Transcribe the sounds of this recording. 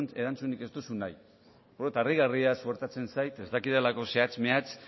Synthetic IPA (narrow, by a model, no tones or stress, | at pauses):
e̞ɾant͡sunike̞st̪usunaj | oðot̪ariɣariasuɾt̪at͡se̞nsajt̪e̞zd̪akiðelako̞seat͡smeat͡s